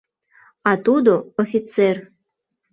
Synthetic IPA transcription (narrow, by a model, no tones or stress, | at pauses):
at̪ud̪oofʲit̪ser